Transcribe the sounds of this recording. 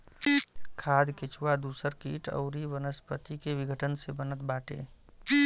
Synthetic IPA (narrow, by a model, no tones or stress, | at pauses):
kʰaːd̪kɪt͡ʃʰuwad̪uːsəɾkiːʈə̰ʊɾiʋənəspət̪ikeʋɪɡʱəʈʰənsebənət̪̚baːʈḛ